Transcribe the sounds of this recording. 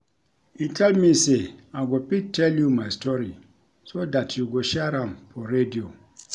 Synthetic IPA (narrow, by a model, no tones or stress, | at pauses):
ĩntʰalmiseaɡɔpitʰɛljumaɪstʰɔɾi | sodatʰjuɡɔʃaɾãmpʰɔɾedio